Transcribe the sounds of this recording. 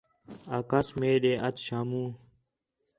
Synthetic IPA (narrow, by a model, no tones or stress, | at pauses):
akɐsmeːɗeʔɐt̪ɕaːmũː